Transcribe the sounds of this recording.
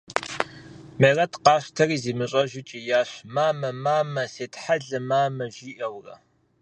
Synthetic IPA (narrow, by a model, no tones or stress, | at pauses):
merɐtqɑːɕʷtʰɐriːziːmɨɕʼɐʒɪt͡ʃʼijaːɕmaːmɐmaːmɐseːtħaɮɨmaːmɐʒiːʔɐwrɐ̰